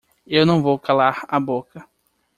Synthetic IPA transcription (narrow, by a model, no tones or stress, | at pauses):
ewnɐ̃w̃vowkalaɾabokɐ